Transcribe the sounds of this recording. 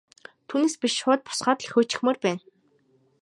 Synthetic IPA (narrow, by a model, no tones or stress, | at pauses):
t̪ʰuːneːspʲiʃʊːt̪̚pɔ̥sχɔːt̪ɮ̆xʊːt͡ɕɪ̥̆xmɵrpæːn